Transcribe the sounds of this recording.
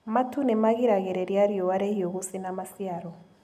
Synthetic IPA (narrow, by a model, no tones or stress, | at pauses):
matunemaɣiɾaɣeɾɛɾjaɾjowaɾehioɣusinamasiaɾɔ